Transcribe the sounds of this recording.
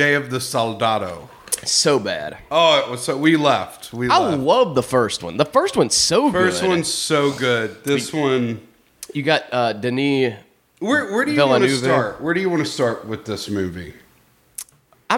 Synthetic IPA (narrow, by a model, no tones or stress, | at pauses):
eɪʌvðɨsɑlˠdɑɾoʊ | soʊbæ̰d̥oʊɪʔ̚wʌz̥ʌwilɛft̚wiaɪlʌvðəfɜ˞st̚wʌ̰̃nðəfɜ˞st̚wʌ̃nsoʊɡɜ˞st̚wʌ̃nsoʊɡʊd̚ðɪswʌ̃n | jɨɡɑt̚ʌd̥ɨni | wə˞wə˞ɾɨjɨɪlˠəʉvɹt̚wə˞ɾɨjɨwɑ̃nɨstɑɹʔ̚wɨðɪsmʉvḭ | a